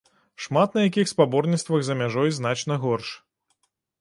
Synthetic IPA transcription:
ʂmat̪̚nɐjakʲixspabɔrnʲitst̪vɐɣzɐmʲaʐɔjzn̪at͡ʃnɐɣɔrʂ

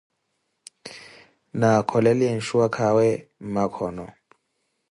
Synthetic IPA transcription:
nakʰɔlɛliɛn̩ʃuakʰawɛm̩makʰɔnɔ

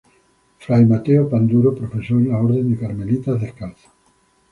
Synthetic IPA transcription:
fɾajmat̪eopand̪uɾopɾofesoenlaoɾðe̞nd̪ekaɾmelit̪azðehkalθḁ

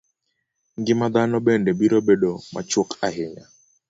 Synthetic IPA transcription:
ŋɡɪmad̪anɔɓɛndɛbiɾobɛɗɔma̰t͡ʃʊkʰaɦɪɲa

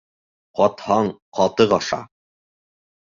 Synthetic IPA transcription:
qɒt̪hɑɴqɒt̪ɤʁɑʃɑ̰

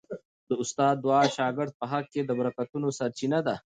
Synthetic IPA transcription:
d̪əʊst̪ɑːd̪̚ːwɑʃɑːɡɪɾd̪̚pəɦaɡ̚ked̪əbɐɾakat̪unosɐɾt͡ʃinad̪a

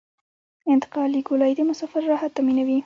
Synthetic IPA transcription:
ɪnt̪ɪ̥qɑliɡʊlɑjd̪emʊsɑfɪɾːɑhat̪ːaminawi

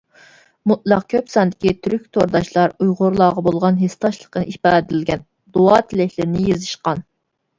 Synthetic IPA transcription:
mut̪̚lˠɑq̚kʲʰøpsɑnd̪ɪkʲit̪ʰyɾykʲt̪ʰoɾd̪ɑʃlˠɑɾujʁʊɾlˠɑːʁɑbolˠʁɑnɦest̪ʰɑʃlˠə̥qʰənɨipɑːd̪ɪlɡʲɛn | d̪oɑt̪ʰɪlɪkʲlɪɾɪnɪjezɨʃqɑn

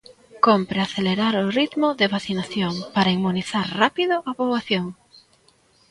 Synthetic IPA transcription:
kompɾeaθeleɾaɾʊrit̪mʊðɪβaθinaθjoŋpaɾaiŋmuniθaɾrapiðʊʔapoβwaθjoŋ

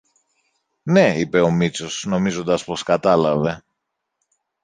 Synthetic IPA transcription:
ne̞ipe̞o̞mit͡so̞sno̞mizo̞nd̪ɐspo̞skɐt̪ɐlɐve̞

